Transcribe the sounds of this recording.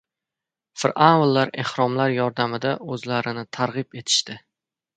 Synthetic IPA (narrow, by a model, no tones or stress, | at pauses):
fɪɾʔanwlːaɾe̞hɾɒmlaɾjɒɾd̪amɪd̪aʔɵzlaɾɪnɪt̪ʰaɾʁɨpe̞t̪ʰɪ̥ʃt̪ɪ